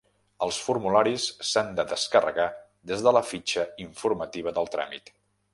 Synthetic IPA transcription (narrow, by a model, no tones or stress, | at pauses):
əlˠsfuɾmulaɾisːand̪əðəskərə̰ɣa | d̪ezðələfit͡ʃəiɱfuɾmət̪iβ̞əðəlˠt̪ɾa̰mḭt̪